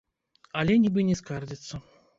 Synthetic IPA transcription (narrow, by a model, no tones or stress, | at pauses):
alʲenʲibɨnʲɪskard̪ʲɪt̪sə